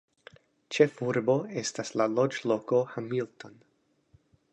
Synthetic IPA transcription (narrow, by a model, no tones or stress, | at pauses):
t͡ʃe̞fuɾbo̞e̞staslalo̞d͡ʒlo̞ko̞hamilto̞n